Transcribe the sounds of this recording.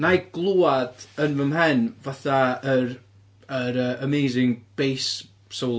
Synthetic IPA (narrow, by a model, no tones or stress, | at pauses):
najɡ̥lˠuːad̥ənvəmɦɛnvaθaəɾ | əɾəəmejzɪŋb̥ejs | sow